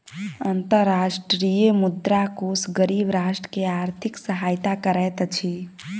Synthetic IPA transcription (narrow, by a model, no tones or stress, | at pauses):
ənt̪əɾːaʃʈɾijemud̪ɾakosɡəɾibɾaʃʈəkeaɾt̪ʰiksəɦajt̪akəɾɛt̪t͡ʃʰi